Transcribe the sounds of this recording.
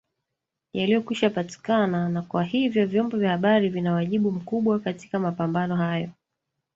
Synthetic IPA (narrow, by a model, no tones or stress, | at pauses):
jalijɔkwiʃapati̥kananakwahivjɔvjɔmbɔvjahaɓaɾivinawaʄiɓum̩kuɓwakati̥kamapambanɔhajɔ